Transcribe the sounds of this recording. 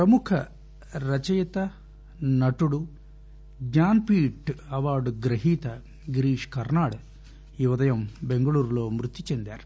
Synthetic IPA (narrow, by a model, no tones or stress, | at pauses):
pɾɐmukʰɐ | ɾɐt͡ʃɐjt̪ɐ | nɐʈuɽu | ɡɲaːnpiːʈɐʋaːɾɖɡɾɐɦiːt̪ɐ | ɡɾiːʂkɐɾnaːɽ | juʋɐd̪ɐjɐmbe̞ŋɡɐɭuːɾulo̞ːmɾut̪ːit͡ʃend̪a̰ːɾu̥